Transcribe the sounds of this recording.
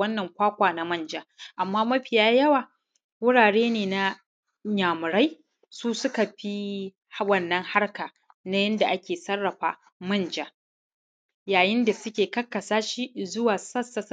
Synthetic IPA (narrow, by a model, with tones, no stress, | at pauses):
ɐ˦nːɐ˨ŋkʷaː˦kʷaː˨na˦mɐ˦nd͡ʒaː˦ʔa˨mːaː˦mɐ˦ɸɪ˨jaː˦jɐ˦waː˨ | wʊ˦ɽaː˨ɽeː˦neː˨na˦ | ɲaː˨mʊ˨ɾa˦j | suː˦sʊ˦ka˨ɸi˦ | hwɐ˦nːɐ˦ŋha˦rka˨ | na˦jɐ˦nda˨ʔa˦kʲeː˨sɐ˦rːɐ˨ɸa̰ː˨ | mɐ˦nd͡ʒaː˦ | jaː˨jɪ˦nda˨sʊ˦kʲeː˨kɐ˦kːɐ˨saː˦ʃiː˦zʊ˦waː˨sɐ˦sɐ˨s